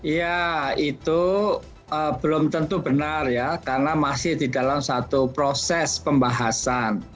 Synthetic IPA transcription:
jait̪u | əːb̥əlʊmt̪ənt̪ubənarjakarnamasɪhd̥idalamsat̪upɾosɛspəmbaɦasan

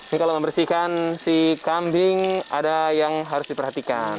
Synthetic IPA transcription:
nikaloməmbərsikansikambɪŋadajaŋɦaɾʊsdipərɦat̪ikan

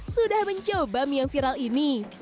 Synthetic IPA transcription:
sudahməɲt͡ʃobamjaŋfiɾalini

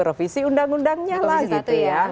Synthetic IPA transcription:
ɾofisiundaŋundaŋɲalahɡit̪uja

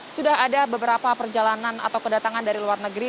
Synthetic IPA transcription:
sudahadabəbəɾapapərd͡ʒalanana̰t̪awkədat̪aŋandaɾiluarnəɡɾi

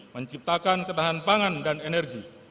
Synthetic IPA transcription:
məɲt͡ʃip̚t̪akankənaɦanpaŋandanɛnɛrɡi

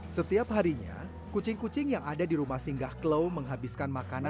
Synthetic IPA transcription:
sət̪iap̚ɦaɾiɲa̰ | kut͡ʃɪŋkut͡ʃɪŋjaŋadadiɾumahsiŋɡahkləwməŋɦabiskanmakana

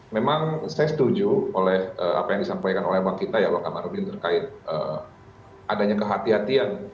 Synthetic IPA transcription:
memaŋsajasə̥t̪ud͡ʒuolɛhʔəa̰pajaŋdisampajkanolɛhbaŋkit̪ajabakamaɾubnt̪ərkaɪt̪̚ə̰ː | ʔadaɲakəɦat̪iɦat̪ian

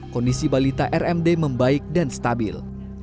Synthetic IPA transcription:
kɔndisibalit̪aʔɛrɛmdeməmbaɪk̚danst̪abɪ̰l

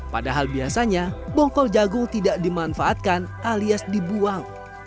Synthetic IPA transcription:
padaɦalbiasaɲabɔŋkɔld͡ʒaɡʊŋt̪idaʔdimanfaːt̪̚kanʔaliasdibuaŋ

